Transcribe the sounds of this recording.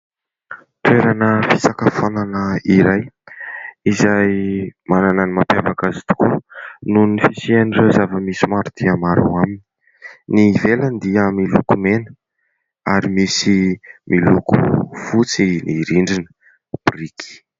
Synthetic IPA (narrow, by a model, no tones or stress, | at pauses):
t̪ueɾanəfisakəfonanəiɾaj | izajmanananimapjavakazit̪u̥kununifisianirezavəmisimaɾud̪̥iamaɾa̰amini | nivelənd̪iəmilukumenə | aɾimisimʔilukṵfut͡siniɾiɳɖ͡ʐinə | b̥riki̥